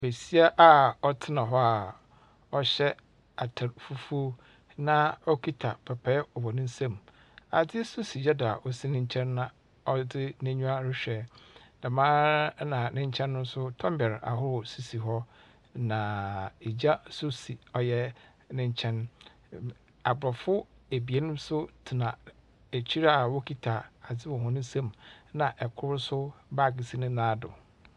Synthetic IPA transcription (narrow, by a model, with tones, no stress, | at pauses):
be˨si˦a˦ʔa˨ɔ˦tʰɪ˦nã˨ɦɔ˦a˨ | ɔ˦ɕɛ˦ | a˨tʰa˨ɾfu˦fu˦ | nã˦ɔ˦kʰi˦tʰa˨pʰɛ˨pʰɛ˦ɔ˨bɔ˨nĩ˦n˦sã˦m | a˨dɪ˦so˦si˨d͡ʑa˦da˨a̰˨ʔɔ˨si˦nɪ̃˦ɲ˦t͡ɕʰɛ̃˦nːã˦ | ɔ˦dɪ˦nɪ̃˦ɲũ˦a˦ɾɪ˦ɕᶣɛ˨nã˨mãː˦nã˨nɪ̃˦ɲ˦t͡ɕʰɛ̃˦nːʊ̃˦n̩˦sʊ˦tʰɔ̃˦mbɛ˨ɾa̰˨ɦʊ˦ɾʊ˨si˦si˨ɦɔ˦ | nã˨e˨d͡ʑa˦sʊ˦si˨ɔ˨jɛ˦ | nɪ̃˦ɲ˦t͡ɕʰɛ̃˦n | a˨bʊ˨ɾɔ˨fʊ˦ | e˨bi˨e˦nʊ̃˦m˦sʊ˦tʰi˨nã˨ | æ˨t͡ɕʰi˦ɾa˦˨wɔ˦kʰi˦tʰa˨a˨d͡zɪ˦wɔ̃˨ɦɔ̃˨nʊ̃˦sã˦˨mnã˨ʔɛ˨kʰʊ˦ɾʊ˦sʊ˦ba˦˨ɡɪ˨si˦nɪ̃˦nãː˦dʊ̰˨